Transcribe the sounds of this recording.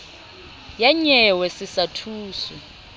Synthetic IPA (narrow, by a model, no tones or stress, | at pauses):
jaɲɛwɛsisatʰuːsɔ